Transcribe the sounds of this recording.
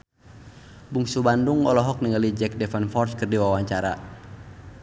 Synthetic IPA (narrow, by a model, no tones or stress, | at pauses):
buŋsubanduŋɔlɔɦɔk̚niŋalid͡ʒɛk̚dɛfanfɔrskɨrdiwawaɲt͡ʃaɾa̰